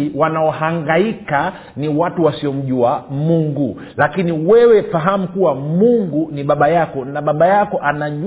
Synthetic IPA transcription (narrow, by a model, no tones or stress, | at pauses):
wanaɔhaŋɡaika | niwatuwasiɔm̩ʄuamuŋɡu | lakiniwɛwɛfaɦamukuwamuŋɡuniɓaɓajakɔnaɓaɓajakɔʔanaʄ